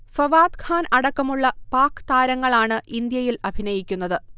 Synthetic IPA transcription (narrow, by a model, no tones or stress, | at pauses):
fɐʋaːd̪kʰaːnɐɽɐkːɐmuɭːɐpaːkːɨ̥t̪aːɾɐŋːɐɭaːɳɨʔind̪jɐjilɐbʱinɐjikʲːunːɐðɨ